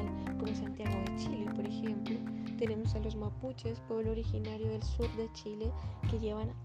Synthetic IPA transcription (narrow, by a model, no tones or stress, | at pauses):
komosant̪jaɣoðet͡ʃilepo̞ɾexemplot̪e̞ne̞mosalo̞zmaput͡ʃespweβlooɾixinaɾjoðe̞lsuɾðe̞t͡ʃile̞ke̞ʝe̞βan